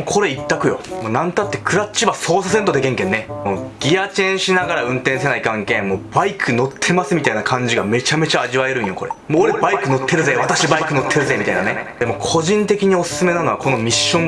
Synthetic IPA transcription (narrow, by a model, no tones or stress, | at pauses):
okʰo̞ɾe̞it̪ːakɯ̟jo̞̰moːnãnt̪at̪ːe̞kʰɯ̟ɾat͡ɕːibaso̞ːsasẽ̞nt̪o̞d̪e̞kẽ̞ŋkẽ̞nːemoːɡ̥ʲiat͡ɕẽ̞ɰ̃ɕinaɡaɾaɯ̟̃nt̪ẽs̬enaikãŋkẽ̞moːbaikʰɯ̟no̞t̪ʰːe̞masɨmʲit̪ainakʰãɲ̟d͡ʑiɡame̞t͡ɕame̞t͡ɕaːʑiβaeɾɯ̟̃ɰjo̞ko̞̰ɾḛmoːɾe̞baikɯ̟no̞t̪ʰːe̞ɾɯ̟zeβat̪aɕibaikɯ̟no̞t̪ʰːe̞ɾɯ̟zeːmʲit̪a̰ḭna̰ned̪emo̞kʰo̞ʑĩnt̪e̞kʲiɲ̟io̞sɨ̥sɨme̞nano̞βako̞no̞mʲiɕːõm